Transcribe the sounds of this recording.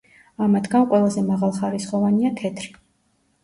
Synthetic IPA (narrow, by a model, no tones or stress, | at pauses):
amat̪ɡanqʼwɛlˠazɛmaʁalˠχaɾisχɔvaniat̪ʰɛt̪ʰɾi